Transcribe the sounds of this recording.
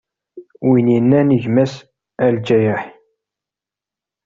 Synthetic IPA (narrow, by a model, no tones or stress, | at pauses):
winjinːænəʝmæs | æld͡ʒæjəħ